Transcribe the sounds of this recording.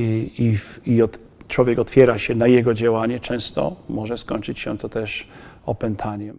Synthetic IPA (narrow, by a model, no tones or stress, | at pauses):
iiɔt̪ | t͡ʂwɔvʲjɛkɔt̪fʲjɛɾaɕɛnajɛɡɔd͡ʑawaɲɛt͡ʂɛ̃w̃st̪ɔ̰mɔʐɛskɔɲʲt͡ʂɘt͡ɕɕɛ̰t̪ɔt̪ɛʂ | ɔpɛnt̪ʰaɲɛm